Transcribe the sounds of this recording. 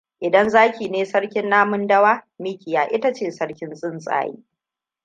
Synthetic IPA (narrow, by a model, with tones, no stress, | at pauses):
ʔɪ˨dɐ˦nzaː˦kʲiː˨neː˦sɐ˦ɽkʲɪ˦nːaː˦mʊ˦ndɐ˦waː˦miː˦kʲɪ˨jaː˨ʔɪ˦ta˦t͡ʃeː˦˨sɐ˦ɽkʲɪ˦nsʼɪ˦nsʼa̰ː˨jḭː˦